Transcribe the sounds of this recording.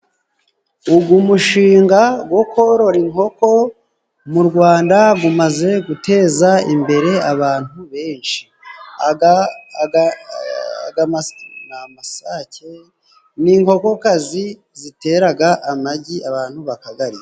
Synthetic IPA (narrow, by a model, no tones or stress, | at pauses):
uɡumuʃiːŋɡaɡwo̞kʰo̞ɾo̞ɾiŋho̞ko̞ | muɾɡwaːndaɡumaze̞ɡute̞ːzaimbe̞ɾe̞aβaːn̥huβe̞ːnʃi̥ | a | ɡanamasace̞ | niŋho̞ko̞kazi | zite̞ɾaɡaʔamaɟiaβaːn̥huβakaɡaɾia